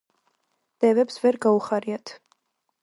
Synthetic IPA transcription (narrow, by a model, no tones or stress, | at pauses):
d̪̥ɛvɛpsvɛɾɡauχaɾiat̪ʰ